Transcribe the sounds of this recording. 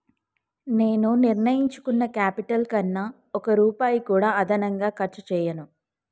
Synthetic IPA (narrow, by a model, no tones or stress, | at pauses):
ne̞ːnuniɾnɐjiɲt͡ʃu̥kunːɐkaːpiʈɐlkɐnːɐ | ɔkɐɾuːpaːjikuːɽaːɐd̪ʱɐnɐŋɡaːkɐɾt͡ʃɐt͡ʃɛːjɐnu